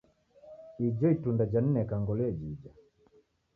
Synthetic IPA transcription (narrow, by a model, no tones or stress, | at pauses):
id͡ʒɔitundad͡ʒan̩nɛkaŋɡɔlɛd͡ʒid͡ʒa